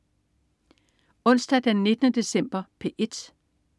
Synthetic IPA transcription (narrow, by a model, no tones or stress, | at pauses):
ɔ̽n̰sd̥æd̥eænːe̝d̥ənəd̥e̝sem̰b̥ɐpʰe̝ʔe̝d̥